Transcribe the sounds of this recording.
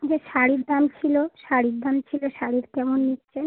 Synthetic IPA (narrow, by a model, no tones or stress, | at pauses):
d͡ʑeʃaɽiɾd̪amt͡ɕʰiloʃaɽiɾd̪amt͡ɕʰiloʃaɽiɾkɛmonːitːɕʰen